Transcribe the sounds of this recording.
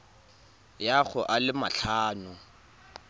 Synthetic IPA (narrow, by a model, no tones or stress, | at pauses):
jaɣʊʔalɪmaɬʰaːnʊ